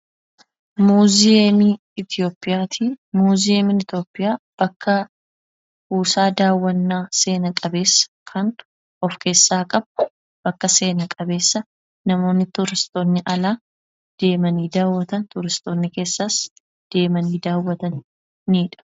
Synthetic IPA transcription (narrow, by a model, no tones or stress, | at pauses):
muːzɪeːmi | ɪt̪ɪo̞ːpʼːɪjaːt̪ʰiːmuːzɪeːmɪnɪt̪o̞ːpʼːɪjaːb̥ɐkːɐ | uːsaːd̪aːwːɐnːaːse̞ːnɐkʼɐbe̞ːsːɐ̥kʰɐn | ʔɔfke̞ːsːaːkʼɐb̚ | b̥ɐkːɐse̞ːnɐkʼɐbe̞ːsːɐ | nɐmo̞ːnːɪt̪ʊɾɪst̪oːnːɪʔɐlaː | d̪̥e̞ːmɐniːd̪aːwːɐt̪ɐnt̪ʊɾɪst̪o̞ːnːɪke̞ːsːas | d̪̥e̞ːmɐniːd̪aːwːɐt̪ɐnː | iːᶑɐ̥